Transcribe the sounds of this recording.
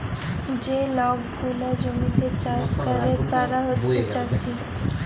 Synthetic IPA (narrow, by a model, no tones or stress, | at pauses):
d͡ʒelɔɡɡulad͡ʒomit̪et͡ʃaskəɾet̪aɾaɦotːt͡ʃʰet͡ʃasi